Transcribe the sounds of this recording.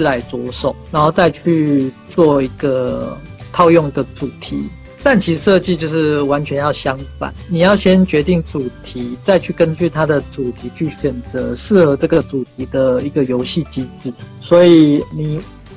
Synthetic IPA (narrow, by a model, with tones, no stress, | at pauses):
la˧˥ɪt͡swɔ˧˥ʂo˨˩ʊna˧˦nxo˥˧ʊt͡sa˥˧ɪt͡ɕʰy˥˧t͡swɔ˥˩i˧˥ɡə˧t̪ʰɑ˥˧ʊjɔ˥˩ŋd̪ə˨t͡su˨˩t̪ʰḭ˨˦ | t̪a˥˩nt͡ɕʰi˧˥˧ʂɤ˥˧t͡ɕi˥˧t͡ɕjo˥˧ʊʂɻ̩˥˩wa˧˦nt͡ɕʰɥɛ˧˦njɑ˥˩ʊɕjɑ˦˥ŋfa̰˨˩˦nni˨˩jɑ˥˩ʊɕjɛ˦˥nt͡ɕɥɛ˧˥t̪i˥˩ŋt͡su˨˩t̪ʰi˨˥˦t͡sa˥˧ɪt͡ɕʰy˥˩kə˦nt͡ɕy˥˩t̪ʰa˦d̪ə˨t͡su˨˩t̪ʰi˨˧˥t͡ɕʰy˥˩ɕɥɛ˨˩nt͡sɤ˧˦ʂɻ̩˥˩xɤ˧˦t͡sɤ˥˩ɡə˩t͡su˨˩t̪ʰi˧˥d̪ə˨i˧˦ɡə˨jo˧˥ʊɕi˥˨t͡ɕi˥t͡sɹ̩˨˩˦swɔ˧˥i˨˩ni˨˩